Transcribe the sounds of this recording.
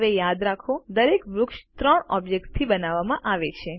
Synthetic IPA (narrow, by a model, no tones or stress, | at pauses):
ʋejad̪ɾakʰod̪əɾekʋɾʊkʃt̪ɾəɳɔbd͡ʒek̚ʈst̪ʰibənaʋːamãʔaʋet͡ʃʰe